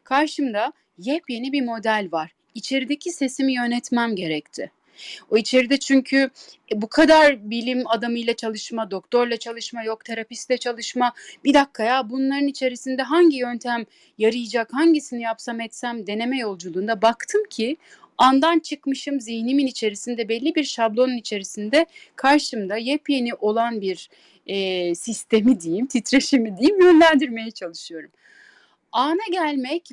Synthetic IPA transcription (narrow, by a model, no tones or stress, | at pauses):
kʰaɾʃɯmd̪a | jɛpje̞nibimo̞d̪ælʲvaɾ̥ | it͡ʃʰe̞ɾid̪ecʰise̞simijø̞nɛt̪mæmɟe̞ɾɛct̪ʰɪ | oit͡ʃʰe̞ɾid̪ɛt͡ʃʰyɲcʰybukʰad̪aɾbilʲimad̪amɯjlˠat͡ʃʰalˠɯʃmad̪o̞k̚t̪ʰo̞ɾlˠat͡ʃʰalˠɯʃmajo̞k̚t̪ʰeɾapist̪lʲɛt͡ʃʰalˠɯʃmabid̪akʰːajabunlˠaɾɯnit͡ʃʰe̞ɾisind̪ɛɦaɲɟijø̞nt̪ʰæm | jaɾɯjɯd͡ʒakhaɲɟisinijapsamɛt̪sæmd̪e̞ne̞mɛjo̞lˠd͡ʒulˠuːnd̪abakt̪ʰɯmcʰi | and̪ant͡ʃʰɯkmɯʃɯmzihniminit͡ʃʰe̞ɾisind̪ɛbɛlʲːibiɾʃablˠo̞nunit͡ʃʰe̞ɾisind̪ɛkʰaɾʃɯmd̪ajɛpjeniʔo̞lˠanbiɾ | ɛːsist̪ʰe̞mid̪ijimt̪ʰit̪ɾeʃimid̪ijimjø̞nlʲænd̪iɾme̞jɛt͡ʃʰalˠɯʃɯjo̞ɾum | aːnaɟælʲmɛc